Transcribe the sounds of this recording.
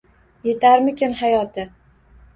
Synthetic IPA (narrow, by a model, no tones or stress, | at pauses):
je̞t̪ʰaɾmɪkʲɪmhajɒt̪ʰɪ